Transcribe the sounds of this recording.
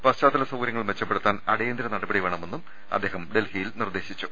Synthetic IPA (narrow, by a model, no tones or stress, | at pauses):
pɐst͡ɕaːt̪ːɐlɐsɐwɡɾjɐŋːɐɭmʋet͡ɕːɐpːe̞ɽut̪ːaːnɐɽejend̪iɾɐnɐɽɐbɐɽiʋe̞ːɳɐme̞nːum | ɐ̰d̪ːeːɦɐmɖe̞lhijilnird̪e̞ːɕit͡ɕːu